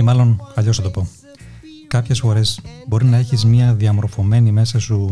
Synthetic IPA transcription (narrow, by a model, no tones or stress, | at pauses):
emɐlo̞nɐʎo̞snɐt̪o̞po̞ | kɐpçe̞sfo̞ɾe̞sbo̞ɾinɐe̞çizmɲɐðiɐmo̞ɾfo̞me̞nime̞sɐsu